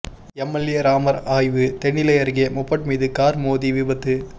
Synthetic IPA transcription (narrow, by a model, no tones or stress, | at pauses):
ɛmːɐlɪjɐɾaːmɐɾaːjʋɯt̪ɛɳːɪlɐjɐɾɣeːmʊpːɐʈ̚miːðɯkaːɾmoːðiʋɪbɐt̪ːɯ